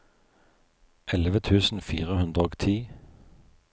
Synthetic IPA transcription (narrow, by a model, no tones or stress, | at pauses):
ʔɛləʋət̪ʰʉːsn̩fḭːʁəhʉnd̪ʁəoːɡt̪ʰiː